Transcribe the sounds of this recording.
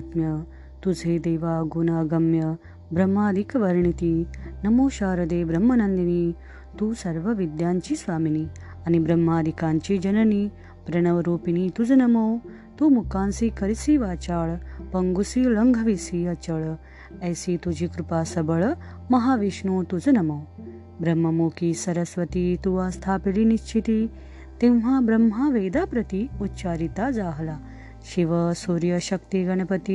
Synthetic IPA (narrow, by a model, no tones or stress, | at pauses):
t̪mjɐ | t̪ud͡zʱeːd̪eːʋaːɡunaːɡɐmjɐ | bɾɐmːaːd̪ʱikɐʋɐɾɳit̪inɐmoːʃaːɾɐd̪eːbɾɐmːɐnɐnd̪iniː | t̪uːsɐɾʋɐʋid̪jaːɲt͡ʃisʋaːmini | ɐnibɾɐmːaːd̪ʱikaːɲt͡ʃid͡ʒɐnɐni | bɾɐnɐʋɐɾoːpiniːt̪ud͡ʒɐnɐmoː | t̪umukaːnsikɐɾisiːʋaːt͡ʃaːɭpɐŋɡusiːlɐŋɡʱɐʋisiɐt͡ʃɐɭ | ɐːsit̪ud͡ʒikɾupaːsɐbɐɭ | mɐɦaːʋiʃnoːt̪ud͡zɐnɐmoː | bɾɐmːɐmoːkisɐɾɐsʋɐt̪it̪uʋaːst̪ʰaːpiliniʃt͡ʃʰit̪i | t̪emɦaːbɾɐmːɦaʋeːd̪aːpɾɐt̪iut̪ːt͡ʃaːɾit̪aːzaːɦɐlaː | ʃiʋɐsoːɾjɐʃɐk̚t̪iɡɐnɐpɐt̪i